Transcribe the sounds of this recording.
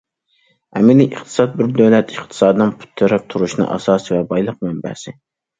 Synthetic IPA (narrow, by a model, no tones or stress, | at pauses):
ɛmɪnɪʔiχt̪ʰɨ̥sɑt̪̚bɪɾd̪øwlɛt̪ɨχt̪ʰɨ̥sɑːd̪ɨnɨnpʰu̥t̪ʰːɨɾɛp̚t̪ʰuɾuʃnɨ̰ʔɑ̰sɑːsɨvɛbɑjlˠəq̚mɛmbɛ̰sɪ